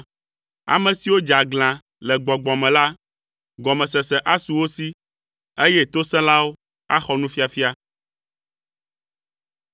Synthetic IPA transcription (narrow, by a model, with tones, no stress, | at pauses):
a̰˨mɛ̃˨si˨wo˦d͡ʒa˨ɡl̃ã˨ | lɛ˨ɡ͡bɔ˨ɡ͡bɔ˨mɛ̃˨la˦ | ɡɔ˨mɛ̃˨sɛ˨sɛ˨ʔa˦su˨wo˦si˦ | e˦jɛ˦t̪o˦sɛ̃˦la˦wo˦ | a̰˦xɔ˦nũ˦fi˦a˨fi˦a˦